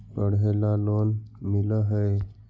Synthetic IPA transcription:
pəɽ̤elalonmiləɦəe

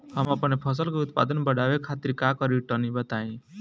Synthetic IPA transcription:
həməpənepʰəs̬əlkeʊt̪pa̰ːd̪ənbəɽaʋekʰat̪iɾkakəɾiʈənibət̪aĩ

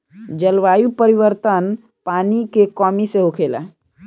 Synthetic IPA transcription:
d͡ʒəlʋajupəɾiʋəɾt̪ən | panikekɔmiseɦokʰela̰

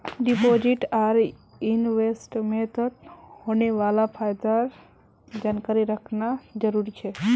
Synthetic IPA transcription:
ɖipod͡ʒiʈaɾ | inʋesʈmet̪ʰət̪honeʋalapʰajd̪aɾ | d͡ʒankaɾiɾəkʰnad͡ʒəɾuɾit͡ʃʰe

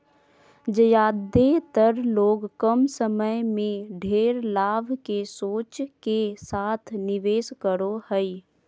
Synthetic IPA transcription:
d͡ʒəjaːd̪et̪əɾloːɡkəmsəməjmẽɖʱeːɾlaːbkesoːt͡ʃkesaːt̪ʰnɪʋeːskəɾohəi

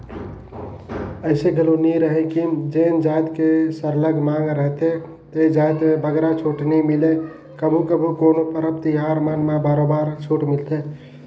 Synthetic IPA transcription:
əɪseɡʱəluniɾəɦekimd͡ʒend͡ʒajt̪kesəɾləɡmãŋɡɾəɦt̪e | t̪əd͡ʒajt̪mebəɡɾat͡ʃʰuʈnɛmile | kəbʱukəbʱukonopəɾəp̚t̪iɦaɾmanmebaɾobaɾt͡ʃʰuʈmilt̪ʰe

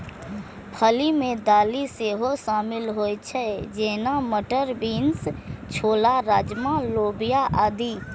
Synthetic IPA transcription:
pʰəlimẽd̪aːliseːɦosaːmɪlɦoːjt͡ʃʰɛd͡ʒeːnaməʈəɾbiːnst͡ʃʰoːlaɾaːd͡ʒmaloːbijaʔaːd̪i

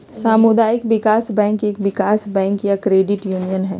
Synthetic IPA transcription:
saːmʊd̪aːjɪkʋɪkaːsbɛ̃ːŋkeːkʋɪkaːsbɛ̃ːŋkjakɾeːɖɪʈjuːnijənɦɛː

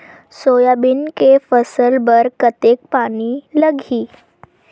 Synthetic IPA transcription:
soːjabɪnkefəsəlbəɾkət̪ek̚paːniləɡʱiː

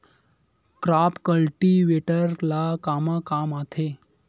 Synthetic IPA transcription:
kɾapkəlʈiʋeʈəɾlakaməkamat̪ʰe

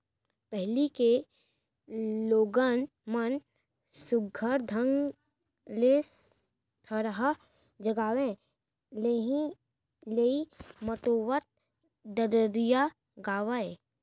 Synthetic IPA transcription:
pɛɦlike | loːɡən | mən | sʊɡʱəɾd̪ʱəŋɡ | les | t̪ʰəɾɦa | d͡ʒəɡaːʋẽ | leɦĩ | leiməʈoːwət̪̚ | d̪əɾəɾija | ɡaːʋae

